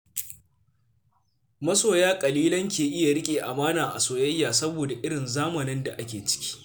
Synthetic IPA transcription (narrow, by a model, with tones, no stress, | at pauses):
mɐ˦soː˨jaː˦kʼɐ˨liː˦lɐ˦ŋkʲeː˨ʔɪ˦ja˨ɽɪ˦kʲʼeː˨ʔa˨maː˦naː˨ʔa̰˨soː˨jɐ˦jːaː˨sɐ˦boː˨da˨ʔɪ˦ɽɪ˨nzaː˦mɐ˨nɪ˦nda˨ʔa˦kʲeː˨t͡ʃɪ̥˦kʲi̥ː˦